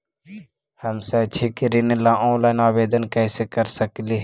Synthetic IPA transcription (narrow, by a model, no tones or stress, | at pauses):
həmset͡ʃʰekɾinlaʔɔ̃ːlaːɪnaːbeːd̪ənkɛːsekəɾsəkleɦ